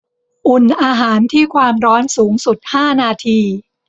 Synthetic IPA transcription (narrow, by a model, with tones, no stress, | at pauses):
ʔu˨˩nʔaː˧ɦaː˩˦nt̪ʰiː˥˩kʰwaː˧mɾɔː˦˥nsuː˩˦ŋsu˨˩t̪̚haː˥˩naː˧t̪ʰiː˧